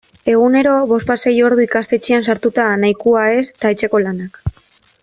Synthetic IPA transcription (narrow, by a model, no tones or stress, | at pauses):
e̞ɣ̞une̞ɾo̞βo̞spase̞jo̞ɾðuikast̪e̞t͡ʃeansaɾt̪ut̪anajkuae̞st̪aet͡ʃe̞ko̞lanak